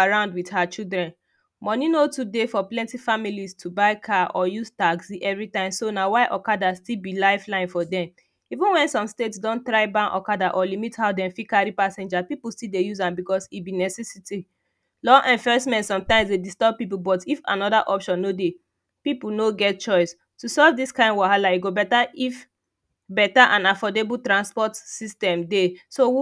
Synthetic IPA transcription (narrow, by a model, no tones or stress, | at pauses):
aɹãʊ̃ndwidhat͡ʃildɹɛ̃n | mɔninotudefɔplɛ̃ntifamilistʰubaɪkʰaʔɔjustaɡsiʔɛvɹitãɪ̃msonawaɪʔɔkadastilbilaɪflãɪ̃nfɔdɛ̃m | ivũnwɛ̃nsɔ̃mstetsdɔ̃nt̪ɹaɪbãnʔɔ̰kadaʔɔlimithaʊdɛ̃mfikaɹipasɛ̃nd͡ʒapipulstildejuzãmbikɔsibinɛsɛsiti | lɔʔɛ̃ɱfɛsmɛ̃ntsɔ̃mtãɪ̃msdedistɔb̚pip̬ubɔtifã̰nɔdaʔɔpʃɔ̃nːode | pipulnoɡɛt̚t͡ʃɔɪs | tusɔvdiskãɪ̃nwahalaiɡobɛtaif | bɛtaʔãnafɔdebutɹãnspɔtsistɛ̃mdeso